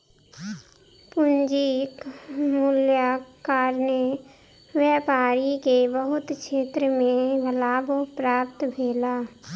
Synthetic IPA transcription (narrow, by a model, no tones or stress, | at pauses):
pʊnd͡ʒikmʊljakaːɾnə | wjɛːpaːɾikebəɦʊt̪ʃeːt̪ɾəmẽɡəlaːbopɾaːp̚t̪bʱeːlaː